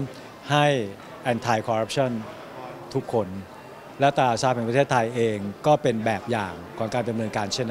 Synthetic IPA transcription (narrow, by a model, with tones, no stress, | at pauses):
ha˥˩j | ʔɛ˧nt̪ʰa˧jkʰɔː˧ɾa˦˥p̚t͡ɕʰɔ˥˩n | t̪ʰu˦˥kʰːo˧n | lɛ˦˥wt̪aː˧˩saː˧˩p̚hɛ˩˦pɾtʰeː˥˩t̪ʰːa˧jʔeː˧ŋkɔː˥˩pe˧nbɛː˨˩p̚jaː˨˩ŋkʰɔː˩˦ŋkaː˧nda˧mnɤː˧nkaː˧nt͡ɕʰe˥˩nː˦